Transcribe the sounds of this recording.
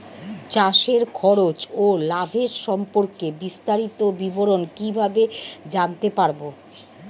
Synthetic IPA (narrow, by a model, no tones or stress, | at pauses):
t͡ɕaʃeɾkʰɔɾot͡ɕolabʱeɾʃɔmpoɾkebist̪aɾit̪obiboɾonkibʱabed͡ʑant̪epaɾbo